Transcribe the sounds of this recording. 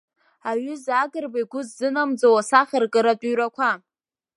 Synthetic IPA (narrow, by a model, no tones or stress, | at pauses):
aɥʏzaɡɨrbaiɡʷʊzːɨnamd͡zawasaχʲərkʼɨɾatʼuɥɾakʷʰa